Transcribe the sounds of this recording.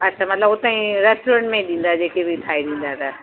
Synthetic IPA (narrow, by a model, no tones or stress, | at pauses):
ɐtːɕʰamɐt̪ləbʊt̪aːĩɾɛsʈuɾə̃ɳʈmẽɗĩːn̆d̪ad͡ʑeːkebɪt̪ʰaːiɗĩːn̆d̪at̪aɦ